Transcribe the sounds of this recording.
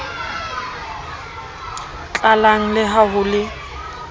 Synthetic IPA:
t͡ɬʼalaŋ̩lɪɦaɦʊlɪ

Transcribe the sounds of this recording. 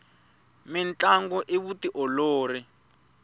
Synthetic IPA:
mɪnt͡ɬʼaŋɡɔʔiβutiʔɔloːri

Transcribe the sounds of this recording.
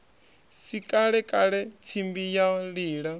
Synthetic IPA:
sikʼaɺɛkʼaɺɛt͡sʰimbijaɺiːɺa

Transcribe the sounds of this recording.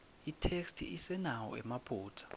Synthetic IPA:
itʰekstʰḭʔisɛnawɔ̰ɛ̰mab̥ʰʼʱuːtʰɔ̥

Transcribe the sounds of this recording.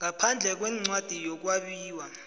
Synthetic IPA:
ŋapʰand͡ɮʱɛk̬wɛŋ͡ǀwad̥ʱijɔk̬waɓiːwa

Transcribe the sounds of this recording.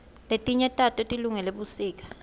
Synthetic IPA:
letʼiɲɛtʼatʼɔtʼiluŋɛleɓusiːk̬ʼḁ

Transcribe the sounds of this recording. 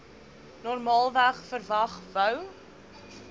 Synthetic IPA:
nɔrmɑːlˠvæχfərvɐχvœw

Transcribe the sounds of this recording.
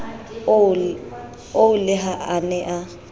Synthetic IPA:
oʊlɪɦaʔanɛʔa

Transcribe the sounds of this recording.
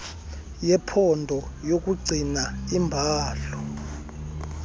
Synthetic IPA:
jɛpʰɔndʱɔjok̬ʼuɡ͡ǀʱinaimbʱaːɬɔ

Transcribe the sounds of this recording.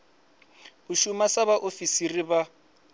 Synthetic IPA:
uʃumasaβaʔofisiriβa

